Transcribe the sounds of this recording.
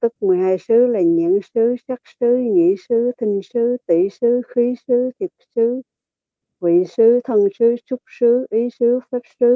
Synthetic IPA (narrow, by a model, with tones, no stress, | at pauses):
t̪ɨ˦˥k̚mɨ˨˩əjhaː˧jsɨ˨˦laː˨˩ɲḭ˧˨˥ənsɨ˨˦saː˦˥k̚sɨ˨˦ŋḭ˧˥sɨ˨˦˥t̪ʰï˧ŋ̟sɨ˨˦t̪ḭ˧˩˨sɨ˨˦xi˨˦sɨ˨˦t̪ʰi˨˩əp̚sɨ˨˦ | vḭ˧˨sɨ˨˦t̪ʰə˧nsɨ˨˦t͡ɕʊ˦˥k͡p̚sɨ˨˦ʔi˨˦sɨ˨˦fɛ˦˥p̚sɨ˨˦